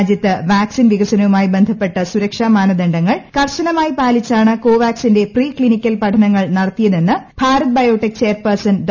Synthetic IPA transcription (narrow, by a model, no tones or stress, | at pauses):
d̪jɐt̪ːɨʋaːksinʋiɣɐsɐnɐʋumaːjibend̪ʱɐpːe̞ʈːɐsuɾɐkʂaːmaːnɐd̪eɳɖɐŋːɐɭkɐrɕɐnɐmaːjipaːlit͡ɕːaːɳɨko̞ːʋaːksinde̞priːkɭinikʲːɐlpɐʈʰɐnɐŋːɐɭnɐɽɐt̪ːijɐðenːɨbʱaːɾɐt̪̚bɐjo̞ːʈːik̚t͡ɕe̞ːrpɐrsɐnɖ